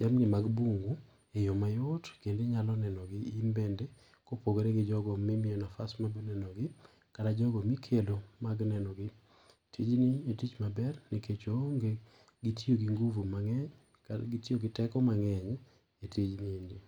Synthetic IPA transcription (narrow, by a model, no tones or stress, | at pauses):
d͡ʒamnimaɡbuŋɡu | ejomajotkendeɲalɔnɛnɔɡɪimbɛnde | kopoɡoɾeɡɪd͡ʒɔɡɔmimiɔnafasmabinɛnɔɡɪ | kadad͡ʒɔɡɔmikʰelomaɡnɛnɔɡɪ | tʰid͡ʒnietit͡ʃmabɛrniket͡ʃoŋɡe | ɡitʰioɡiŋɡuvumaŋɛɲ | kaɡitioɡɪtɛkɔmaŋɛɲ | etʰid͡ʒniendi